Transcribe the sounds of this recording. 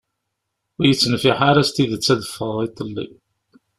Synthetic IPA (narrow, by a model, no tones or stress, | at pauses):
wijət͡sːnəfiħaɾæst̪iðət͡sːæðəfːəðˤit̪ˤːəlːḭ